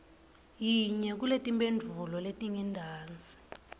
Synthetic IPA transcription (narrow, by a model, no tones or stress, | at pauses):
jiɲɛk̬uletʼimbʼendʱulɔletʼiŋɛndʱaːnt͡sʼi̥